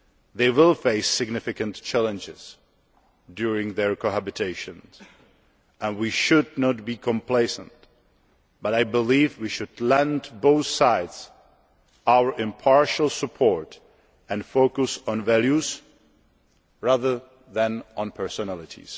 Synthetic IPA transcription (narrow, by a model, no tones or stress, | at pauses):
ðeɪwɪlˠfeɪsɪɡnɪfɪkə̃ntt͡ʃʰælə̃nd͡ʒɪz̥ | djuɹɪ̃ŋðɛɹkoɦæbɪtʰeɪʃə̃ns | ɛ̃nwiʃʊdnɔtbiːkʰɔ̃mpʰleɪsə̰̃nt | b̥atajbɪlivwiʃʊdlɛ̃ndboʊθsaɪds | ʔawə˞ʔɪ̃mpʰɑɹʃəl̩ˠsəpʰɔɹt | ɛ̃nfoʊkʊsɔ̃nvælˠjuz | ɹaðə˞ | ðæ̃nɔ̃npʰə˞sɔnælˠɪtʰḭs